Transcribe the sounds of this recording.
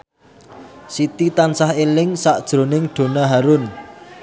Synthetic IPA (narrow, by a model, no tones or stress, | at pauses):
sit̪it̪ansahelɪŋsaʔd̥ʒ̥ɾo̤nɪŋɖ̥o̤naɦaɾʊn